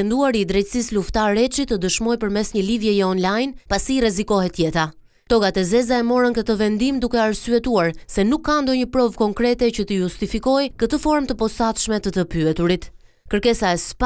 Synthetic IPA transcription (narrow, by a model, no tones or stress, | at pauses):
ɛnd̪uaɾid̪ɾɛjt̪sisluft̪aɾɛt͡ʃit̪ːəd̪əʃmɔjpəɾmɛsɲəlivjɛjɛɔnlajnpasiːrɛzikɔɦɛt̪jɛt̪a | t̪ɔɡat̪ɛzɛzaɛmɔɾəŋkət̪əvɛnd̪imd̪ukɛaɾsyɛt̪uaɾsɛnukːand̪ɔɲəpɾɔvkɔŋkɾɛt̪ɛcət̪əjust̪ifikɔjkət̪əfɔɾmt̪əpɔsat̪ʃmɛt̪ət̪əpyɛt̪uɾit̪ | kəɾkɛsaɛsp